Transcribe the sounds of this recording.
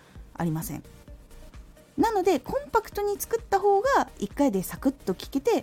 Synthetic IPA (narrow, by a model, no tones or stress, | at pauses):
a̰ɾʲimasḛ̃ɴ | nano̞d̪e̞kʰõ̞mpakɯ̟̥t̪o̞ɲ̟it͡sɨ̥kɯ̟t̪ːaɦo̞ːɡaikːaid̪e̞sakɯ̟t̪ːo̞kʲi̥ke̞t̪e̞